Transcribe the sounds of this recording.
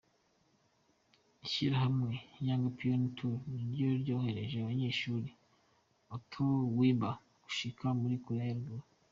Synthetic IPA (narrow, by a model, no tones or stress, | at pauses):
iʃiɾaɦamŋe̞jaːŋɡapiontʰuniɾjo̞ɾɟo̞ːhe̞ɾe̞ʒeaβaɲe̞ːʃuːɾi | otʰowiːmba | ɡ̥u̥ʃikʰamuɾikuɾeɾɡo